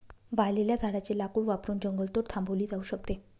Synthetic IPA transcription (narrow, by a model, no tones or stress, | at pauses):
ʋajleljad͡zʱaɽat͡ɕelakuːɽʋapɾuːnd͡ʑəŋɡəlt̪oɾt̪ʰãmbəʋliːd͡zauɕəkt̪e